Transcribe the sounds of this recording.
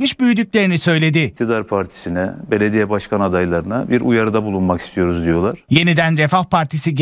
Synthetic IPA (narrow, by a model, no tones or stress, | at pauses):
miʃbyjyd̪yc̚lʲe̞ɾinisø̞jlʲe̞d̪ɪt̪ʰid̪aɾpʰaɾt̪ʰi̥sinɛbe̞lʲed̪ijɛbaʃkʰanad̪ajlˠaɾɯnabiɾujaɾɯd̪abulˠunmaki̥st̪ʰijo̞ɾuzd̪ijo̞lˠaɾ̥je̞nid̪ænɾefahpʰaɾt̪ʰisiɟ